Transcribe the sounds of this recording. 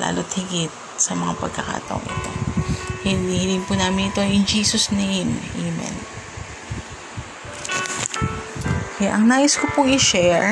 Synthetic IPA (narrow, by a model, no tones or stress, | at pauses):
la̰ːlot̪̚hɪɡɪt̪̚sɐmɐŋapɐɡ̚kɐka̰ːt̪ɐ̰ʔo̰ŋʔɪ̰t̪o̞̰hɪnihɪlɪŋpuːnaːmɪnɪt̪o̞jɪnd͡ʒiːsosnejmimɛ̰n | kɐja̰ʔɐŋnaːjɪskopoŋɪʃɛɹ